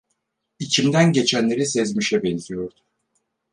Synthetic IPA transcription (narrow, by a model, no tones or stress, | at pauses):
icʰimd̪ænɟe̞t͡ʃʰænlʲe̞ɾisɛzmiʃɛbɛnzijo̞ɾd̪u